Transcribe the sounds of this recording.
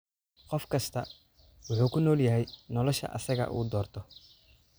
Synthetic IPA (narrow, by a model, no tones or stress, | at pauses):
qɔfkʰɐst̪ʰɐ | wʊħuːkʰʊnɔːljɐɦɛjnɔlɔʃɐ̰ʔɐ̰sɐɣɐ̰ʔṵːd̪ɔːrt̪ʰɔ